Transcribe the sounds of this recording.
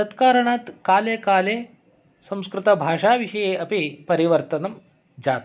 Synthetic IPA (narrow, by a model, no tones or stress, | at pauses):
t̪ɐt̪kaːɾɐɳaːt̪kaːleːkaːleː | sɐ̃m̃skɾɪt̪ɐbʱaːʂaːʋiʂɐjeːɐpipɐɾiʋɐɾt̪ɐnɐm | d͡ʒaːt̪